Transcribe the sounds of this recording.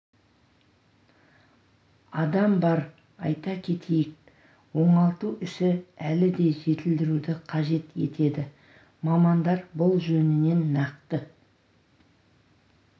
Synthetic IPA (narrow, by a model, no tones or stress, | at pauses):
ɑd̪ɑmbɑɾ | ɑ̰jt̪ɑkʲʰe̞t̪ʰejɪk̚ | wo̞ɴɑlˠt̪uʔʏʃɪælɪd̪e̞ʒe̞t̪ɪld̪ɪɾud̪ɪqʰɑʒe̞t̪e̞̰t̪ʰe̞d̪ɪ | mɑmɑnd̪ɑɾbʊlˠʒɵnɪne̞nːɑq̚t̪ə